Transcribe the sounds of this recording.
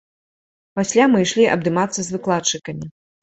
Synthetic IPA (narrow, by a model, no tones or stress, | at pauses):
pasʲlʲamɨjʂlʲiʔɐ̰bd̪ɨmat̪sːɐzvɨklˠatt͡ʂɨkɐmʲi